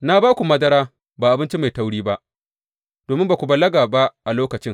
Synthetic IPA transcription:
na˦baː˦kʷu˨mɐ˦dɐ˦ɾaː˦ | baː˨ʔa˨bɪ˦nt͡ʃi˦ma˨jta˦wɽiː˦ba˦ʔ | d̥oː˨mɪ˦mba˨kʷu˨bɐ˨lːɐ˦ɡaː˨ba˦ʔa˨loː˦kɐ˨t͡ʃɪ˦ŋ

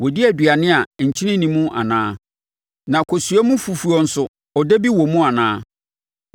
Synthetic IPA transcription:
wɔ˨di˦æ˨dɥa˨nɪ̃˦a˨ɲ̩˨t͡ɕʰi˦nɪ̃˦nĩ˦mũ˦ʔa̰˨nãː˦ | nã˨kʰo˨su˨˦æ˦mũ˦fu˨fu˨ɔ˨n̩˨sʊ˨ | ɔ˨de˦bi˦wɔ˨mũ˦a˨nãː˦

